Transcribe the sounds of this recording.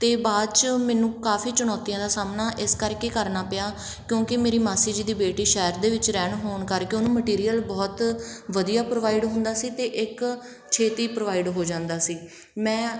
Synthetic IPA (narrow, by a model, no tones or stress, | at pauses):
t̪eːbaːd̪t͡ʃmɛ̃ːnũːkaːfʰiːt͡ʃʊñɔːt̪ijãːd̪aːsaːmnaːʔɪskəɾkeːkəɾnaːpɪjaː | kjõːkɪmeːɾiːmaːsiːd͡ʒd̪iːbeːʈiːʃɛːɾd̪eːʋɪt͡ʃɾɛːɳɦoːɳkəɾkeoːnũːməʈiːɾijəlbɔːt̪ʋəd̪ijaːpɾoːʋaːiɖɦʊ̃nd̪aːsiːt̪eːʔɪk | t͡ʃʰeːt̪iːpɾoːʋaːiɖɦoːd͡ʒãːnd̪aːsiː | mɛ̃ː